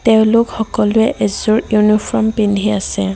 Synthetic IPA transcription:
tɛʊ̃lokxɔkɔlʊɛʔezuɹjunipʰɔɔmpindʱiasɛ

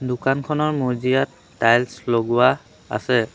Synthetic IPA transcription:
dʊkankʰɔnɔɹmozijatːajlsloɡʊwa | a̰sɛ

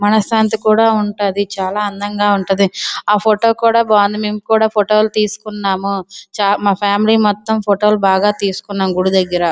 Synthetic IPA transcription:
mɐnɐsaːnt̪̬ikuːɽaːuɳʈɐd̪it͡ʃaːlaːɐnd̪ɐŋɡaːuɳʈund̪iaːpʰoʈo̞ːkuːɽaːbaːnd̪imeːmukuːɽaːpʰoʈoːlut̪iːsu̥kunːaːmut͡ʃaːmaːpʰaːmiliːmɔt̪ːɐmpʰoʈoːlubaːɡaːt̪iːsu̥kunːaːmɡuɽud̪ɐɡːɐɾɐ

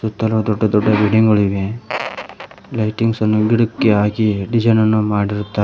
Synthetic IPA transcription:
sut̪ːɐlɐʋɐd̪ɔɖːɐd̪ɔɖːɐbiɽiŋɡɐɭiʋe | lɐjʈiŋɡsɐnːuɡiɽukːeaːɡiɖid͡ʒɐnɐnːumaːɽiɾut̪ːa

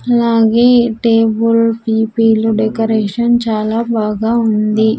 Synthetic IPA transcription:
ɐlaːɡeːʈeːbulpiːpiːluɖekɐɾeːʂɐnt͡ʃaːlaːbaːɡaːund̪i

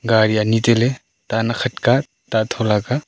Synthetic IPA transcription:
ɡaɾijanitele | tanakʰɐt̚ka | tatʰɔlaka

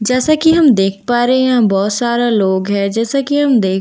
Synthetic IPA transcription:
d͡ʒɛːsakiɦɐmd̪eːkʰpaːɾɛɦeãbɔːt̪saːɾaloːɡɦɛːd͡ʒɛːsakiɦɐmd̪eː

